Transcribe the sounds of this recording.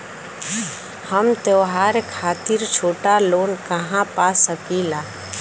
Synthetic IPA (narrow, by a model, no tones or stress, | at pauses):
həmt̪oːɦaɾekʰaːt̪ɪɾt͡ʃʰoːʈaloːnkəɦãpaːsəpiːla